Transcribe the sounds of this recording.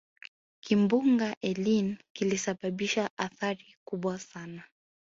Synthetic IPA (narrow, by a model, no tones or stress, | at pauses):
kimbuŋɡaʔɛlinkilisaɓaɓiʃaʔaθaɾikuɓwasana